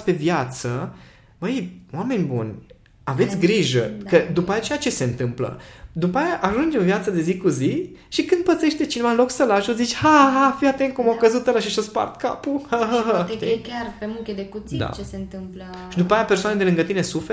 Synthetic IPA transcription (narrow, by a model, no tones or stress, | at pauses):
pe̞vjat̪sə | bəwame̞nʲbṵnʲ | ave̞t̪sʲɡɾiʒə̰kəd̪upajat͡ʃejat͡ʃe̞se̞ɨnt̪ɨmplə̰d̪upajaʔaʒund͡ʒemvjat̪səd̪e̞zikuziʃikɨnd̪̚pət̪se̞ʃt̪e̞t͡ʃinevaɨnlo̞ksəlaʒuzit͡ʃʲhaɦafiat̪eŋkumakəzut̪əlaʃiʃaspa̰rt̪ka̰puhaɦəɦəiarpemuŋkʲed̪ekut̪sdid̪a̰t͡ʃesent̪ɨmplə | ʃid̪upajapersoaned̪elɨŋɡət̪inesufe